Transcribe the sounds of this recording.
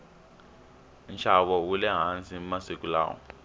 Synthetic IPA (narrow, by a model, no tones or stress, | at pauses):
nʃʰaβɔwulɛɦant͡sʼimasikʼula̰ːwɔ̰